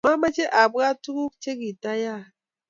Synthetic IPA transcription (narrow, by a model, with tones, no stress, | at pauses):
ma˦ma˦t͡ʃe˦ʔa˨bɣa˦tu˦ku˦t͡ʃe˦ɡi˨ta˦ja˦˨